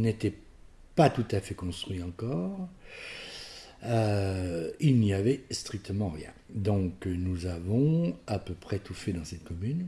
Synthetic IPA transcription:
net̪ɛ | pat̪ut̪afɛkɔ̃st̪χɥiɑ̃kɔːʁ | ø | ilniavɛst̪χik̚t̪əmɑ̃ʁjɛ̰̃d̪ɔ̃knuzavɔ̃apøpχɛt̪ufɛd̪ɑ̃sɛt̪kɔmyn

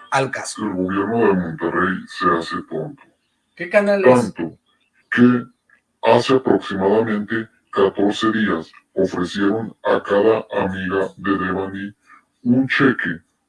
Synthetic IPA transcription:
alelɣo̞βje̞ɾno̞ðelmõnt̪erejsease̞t̪o̞nt̪o̥ | keknt̪ant̪o | ke | aseapɾo̞ksimaðamẽ̞nt̪e̞ | kat̪o̞ɾse̞ðias | ofɾe̞sje̞ɾo̞nakaðaʔamiɣaðeðeβani | unt͡ʃe̞ke

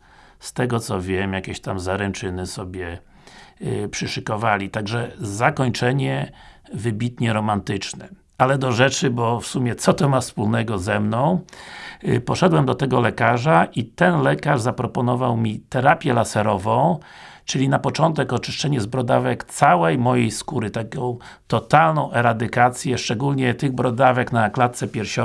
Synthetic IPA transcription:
st̪ɛɡɔt̪sɔvʲjɛmjakʲɛɕt̪amzaɾɛnt͡ʂɘnɘsɔbʲjɛ | pʂɘʂɘkɔvalʲit̪aɡʐɛzakɔɲt͡ʂɛɲɛvɘbʲit̪ɲɛɾɔmant̪ɘt͡ʂnɛ | alɛd̪ɔʐɛt͡ʂɘbɔfsumʲjɛt̪sɔt̪ɔmafspulnɛɡɔzɛmnɔ̃w̃ | pɔʂɛd̪wɛmd̪ɔt̪ɛɡɔlɛkaʐaʔit̪ɛnlɛkaʐzapɾɔpɔnɔvawmʲit̪ɛɾapʲjɛlasɛɾɔvɔ̃w̃ | t͡ʂɘlʲinapɔt͡ʂɔnt̪ɛkɔt͡ʂɘ̥ʂt͡ʂɛɲɛzbɾɔd̪avɛkt̪sawɛjmɔjejskuɾɘt̪akʲɔ̃w̃ | t̪ɔt̪alnɔ̃w̃ʔɛɾad̪ɘkat̪sʲjɛʂt͡ʂɛɡulɲɛt̪ɘɣbɾɔd̪avɛknaklat̪t̪sɛpʲjɛɾɕɔ

